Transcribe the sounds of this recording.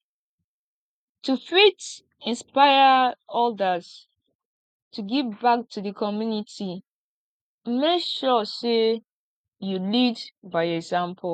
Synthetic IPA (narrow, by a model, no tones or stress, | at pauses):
tufit | ĩnspaɪəɔldəz | tʰuɡivbak̚tʰudəkʰɔmjuniti | mekʃɔse | julidbaɪɛɡzãmpʰɔ